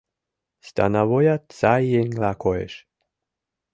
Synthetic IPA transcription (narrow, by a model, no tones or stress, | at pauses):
st̪a̰navojat̪sajenlakoḛʃ